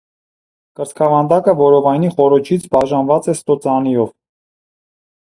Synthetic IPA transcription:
kəɾt͡skʰɑvɑnd̪ɑkəvɔɾɔvɑjniχɔɾɔt͡ʃʰit͡sʰbɑʒɑnvɑt͡sɛst̪ɔt͡sɑnijɔv

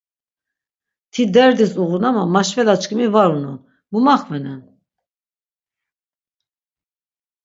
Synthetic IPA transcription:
t̪ʰid̪ɛɾd̪isuɣunamamaʃvɛlat͡ʃkimivaɾunun | mumaχvɛnɛn

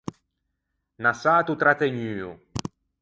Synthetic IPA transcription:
nasaːt̪ut̪ɾat̪eɲyːṵ

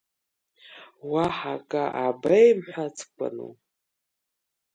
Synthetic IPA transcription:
waħakʼaʔabajmħʷᶣat͡sʰkʷʼa̰nṵ

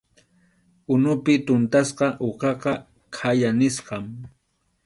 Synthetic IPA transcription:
ʊnʊpɪt̪ʊnt̪asqɑʔoqɑqɑ | kʰajanɪsqɑm

